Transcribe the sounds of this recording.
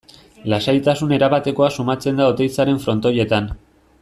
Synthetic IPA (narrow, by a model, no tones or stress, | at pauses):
lasajt̪asune̞ɾaβat̪e̞ko̞asumat͡se̞nd̪aot̪e̞jt͡saɾe̞ɱfɾo̞nt̪oje̞t̪an